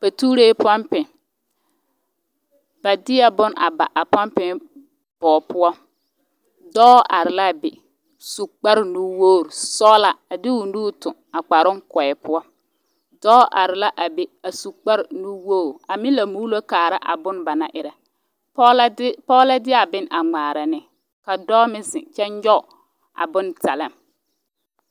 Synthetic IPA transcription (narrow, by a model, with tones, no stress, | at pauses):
pa˨tuː˦ɾeː˦pa˦mpɪ˨ | b̥a˨dɪ˦a˦bʊ˦na̰˨ba̰˨ʔa˨pa˦mpɪ˨˦ | b̥ɔː˨pʊ˦ɔ˦ | dɔː˦ʔa˨ɾɪ˨la˦˨bɪ˨ | su˨k͡pa˦ɾnu˦woː˦˨ɾsɔː˦la˨a˨dɪ˦u˨nuː˦tʊ˨a˨k͡pa˨ɾʊ˦kɔ˨ɛ˨pʊ˦ɔ˦ | dɔː˦ʔa̰˨ɾɪ˨la˦ʔa˨be˦a˨su˨k͡pa˦ɾɪ˨nu˦woː˦˨ɾa˨mi˦la˨mu˦lo˦kaː˨ɾa˦ʔa̰˨bʊ˦n˦ba˨na˨ʔɪ˨ɾɛ˨˦ | pɔː˦la˦dɪ˦a˨bɪ˦n˦a˨ŋ͡maː˨ɾa˨nɪ˦ | ka˨dɔː˦mɪ˦zɪ̰˨t͡ʃɛ˦njɔ˦˨ | a̰˨bʊ˦nta˨lɪ˦˨m